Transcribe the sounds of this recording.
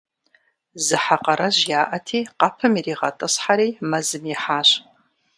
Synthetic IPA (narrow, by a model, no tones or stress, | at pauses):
zɨħaqɐɾɐʑjaːʔɐtʰiːqɑpʰɨmiriːʁɐtʼɨsħaɾiːmɐzɨmjiħaːɕ